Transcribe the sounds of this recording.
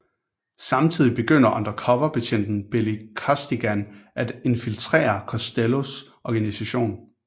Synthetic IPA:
sɑ̈mt͡sʰið̰ˠib̥e̝ɡ̥øn̰ɐʔɑnd̥ʁɐkʰɒ̽ʋɐpʰæɕʰen̰d̥n̩b̥e̝likʰɒsd̥iɡ̥ænʔæd̥e̝nfilt͡sʰʁḛːɐkʰɒ̽sd̥elo̝s | ɒɡ̥ænisæɕo̝̰ːn

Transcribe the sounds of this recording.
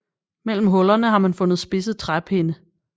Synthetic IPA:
mel̰m̩ɦɔ̽lɐnəɦɑ̈mænfɔ̽nð̞̩ˠsb̥e̝s̬ð̩ˠt͡sʰʁab̥ʰe̝nə

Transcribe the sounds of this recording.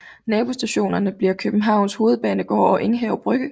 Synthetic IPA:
nɛːb̥o̝sd̥æɕo̝̰ːnɐnəb̥liɐkʰøb̥m̩ɦɑ̈ʊ̰nsho̝ːð̞̩ˠb̥ɛ̰ːnəɡ̥ɒ̰ːɒ̽ʔe̝ŋɦɛʊb̥ʁœɡ̥ə

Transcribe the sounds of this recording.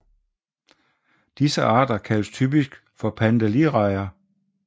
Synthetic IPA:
d̥isəʔɑ̈ːd̥ɐkʰælə̥st͡sʰyːb̥isɡ̥ | fɒ̽pʰænd̥æliʁɑ̈ɪ̰ɐ

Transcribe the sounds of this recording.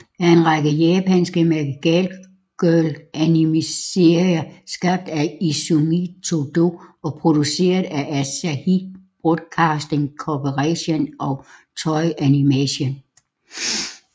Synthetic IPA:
æɐe̝nʁɑɡ̥əjɛːpʰænsɡ̥əmeɡɡ̥ɛl | ɡ̥ølʔænimise̝ɐiɐsɡ̥ɑ̈b̥̚d̥æisomit͡sʰod̥o̝ɒ̽pʰʁo̝d̥use̝̰ːɐð̩ˠæʔæsæhib̥ʁɔd̥kʰɑ̈ːsd̥eŋkʰɒpʰəʁaɕenɒt͡sʰɒɪʔænimæɕen

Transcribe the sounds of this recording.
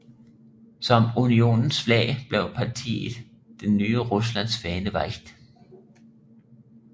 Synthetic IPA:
sɒ̽munio̝̰nn̩sflɛ̰ɪb̥leʊ̰pʰɑt͡sʰḭːð̥ˠ | d̥enːyːəʁuslæn̰sfɛːnəʋɑɡ̥d̥

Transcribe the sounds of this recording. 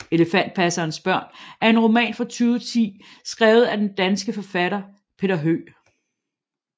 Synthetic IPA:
e̝ləfæn̰d̥̚pʰæsɐːnsb̥ɶɐ̰næɐe̝nʁo̝mɛ̰ːnfɑ̈t͡sʰyːʊt͡sʰḭː | sɡ̥ʁɛːʊð̩ˠæd̥end̥ænsɡ̥əfɒ̽fæɾ̥ɐ | pʰe̝dɐɦø̰ː

